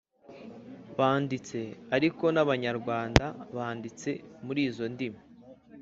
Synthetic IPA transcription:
βaːndit͡se̞aɾiko̞naβaɲaɾɡwaːndaβaːndit͡se̞muɾiːzo̞ndima

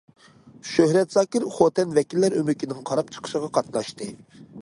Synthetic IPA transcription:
ʃøhɾɛt̪zɑːkʲiɾχot̪ɛnvɛkʲilːæɾømɪkʲʰinɪŋqʰɑɾɑp̚t͡ʃʰə̥qʰə̥ʃəʁɑqʰɑt̪lˠɑʃt̪ɨ

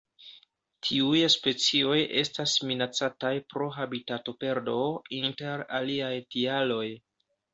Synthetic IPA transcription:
tʰiujspe̞t͡sio̞jʔe̞stasminat͡satajpɾo̞ɦabitato̞pe̞ɾdo̞inte̞ɾaliajtialo̞j

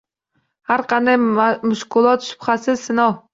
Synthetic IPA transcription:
haɾqʰɑnd̪ajmʊʃqʊlˠɒt̪ʃʊ̥bχasɪsɪnɒh

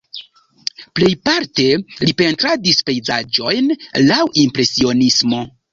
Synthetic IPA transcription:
ple̞jpaɾte̞lipe̞ntɾadispe̞jzad͡ʒo̞jnlawʔimpɾe̞sio̞nismo̞

